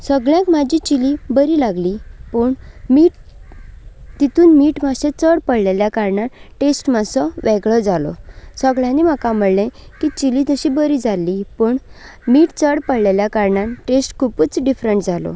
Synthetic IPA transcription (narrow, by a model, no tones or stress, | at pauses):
səɡɭjãkmad͡ʑit͡ɕilibəɾiːlaɡlipəːɳmiːʈ | t̪it̪uːnmiːʈmaɕet͡səɽpəɽleljakaɾɳaʈesʈmasɔʋɛɡɭɔd͡zalɔ̰səɡɭjãnim̤akam̤əɭlẽkit͡ɕilit̪əɕibəɾid͡zalːipəːɳ | miːʈt͡səɽpəɽleljakaɾɳaʈesʈkʰuput͡sɖifɾəɳʈd͡zalɔ̰